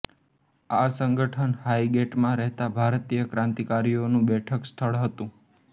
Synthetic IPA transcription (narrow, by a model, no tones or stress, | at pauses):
asəŋɡəʈʰənhaiɡeʈmãɾɛɦt̪abʱaɾt̪ijəkɾãnt̪ikaɾijonũbɛʈʰəkst̪ʰəɭɦət̪ũ